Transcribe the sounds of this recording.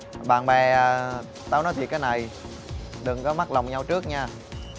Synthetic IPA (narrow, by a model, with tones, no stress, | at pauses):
ɓa̰ː˧˨˩nɓɛ˨˩ʔː | t̪aː˧wnɔ˨˦jt̪ʰi˨˩kaː˨˦jna˨˩j | ɗɨ˨˩ŋkɔ˨˦ma˦˥la˨˩wŋ͡mɲa˧wt͡ɕɨ˦˥ək̚ɲaː˧